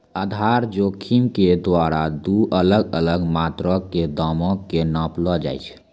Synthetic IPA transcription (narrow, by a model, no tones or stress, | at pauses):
əd̪ʱaɾd͡ʒokʰimked̪waɾad̪uələɡələɡmat̪ɾəkkːed̪ɔmɔkːenãplɔd͡ʒa̰jt͡ʃʰ